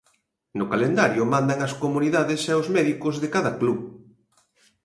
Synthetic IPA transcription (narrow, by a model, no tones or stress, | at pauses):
nʊkalend̪aɾjʊmãnd̪aŋɐskomuniðaðesɛozmɛðikʊzðekaðɐkluβ